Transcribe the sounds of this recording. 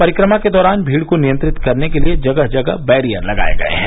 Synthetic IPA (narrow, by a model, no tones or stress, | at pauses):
pɐɾɪkɾəmaked̪ɔːɾaːnbʱiːɽkonijə̃nt̪ɾɪt̪kɐɾnekelied͡ʒɐɡəɦd͡ʒɐɡə̰bɛːɾijə̰ɾlɐɡa̰ːḛɡɐ̰ḛɦɛ̃ː